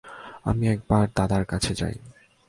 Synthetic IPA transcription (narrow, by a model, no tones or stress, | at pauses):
a̰miɛk̚baɾd̪ad̪aɾkat͡ɕʰed͡ʑa̰j